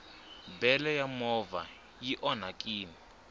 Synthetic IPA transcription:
bɛlɛjamɔva̰ | jiʔɔnakʼiːni

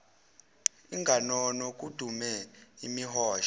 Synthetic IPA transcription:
iŋɡʱanɔnɔk̬ʼud̥ʱumɛimihɔːʃa

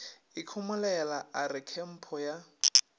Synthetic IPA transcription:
ɪkʰʊmʊlɛlaʔaɾɪkʰɛm̩pʰɔja

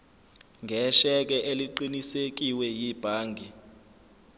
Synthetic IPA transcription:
ŋɡʱɛʃɛk̬ʼɛʔeliǃinisek̬ʼiwɛjib̥ʱaːŋɡʱi

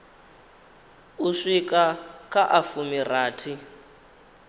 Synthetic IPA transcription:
uʂikʼakʼaʔafumiraːtʰi

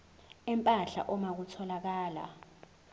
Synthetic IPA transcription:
ɛmpʼaɬa̰ʔɔmak̬utʰɔlak̬aːla̰

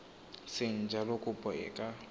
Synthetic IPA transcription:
sɪn̩d͡ʒalokʼʊpʼɔɛ̰kʼa

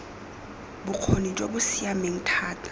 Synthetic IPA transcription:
bʊq͡χʰonit͡ʃʼobʊsiameŋ̩tʰaːtʰʼḁ

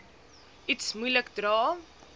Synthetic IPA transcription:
itsmujləkdrɑː

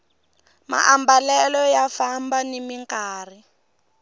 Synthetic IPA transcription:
ma̰ʔambalɛlɔjafambanimiŋkaːri

